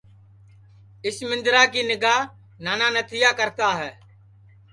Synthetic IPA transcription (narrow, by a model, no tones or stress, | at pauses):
ɪsmɪ̃nd̪ɾaːkiːnɪɡaːɦ | naːnãːnət̪ʰɪjaːkəɾt̪aːɦɛː